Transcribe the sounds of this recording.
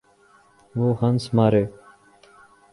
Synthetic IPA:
ʋoːhənsmaːɾeː

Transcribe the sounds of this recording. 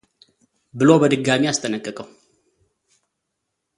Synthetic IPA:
bɨlo̞bəd̪ɨɡːamiast̪ʰʼənəkʼːəkʼəw

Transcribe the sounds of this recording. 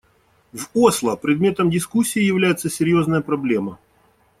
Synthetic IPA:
voslˠəpɾʲɪd̪̚mʲe̞t̪əmdʲɪskusʲːiːjɪvlʲæjɪt̪səsʲɪɾʲjo̞znəjəpɾɐblʲe̞mə

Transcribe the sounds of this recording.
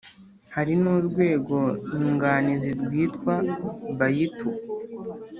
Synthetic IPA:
haɾinuːɾɡwe̞ːɡo̞ɲuŋɡaniziɾɡwiːtkwaβajitʰu

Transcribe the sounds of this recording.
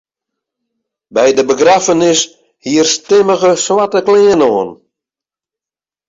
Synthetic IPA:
bɛjdəbəɡrafənɪs | hiərstɪməɣəswatəklɪːənɔːən

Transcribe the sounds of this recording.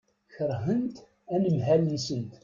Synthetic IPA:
çəɾɦənt̪ | ænəmɦælənsənt̪

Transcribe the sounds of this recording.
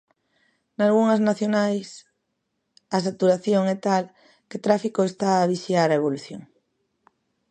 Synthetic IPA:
nalɣuŋaznaθjonajs | asat̪uɾaθjoŋɛt̪al | ket̪ɾafikoest̪aːβisjaɾaeβ̞oluθjoŋ

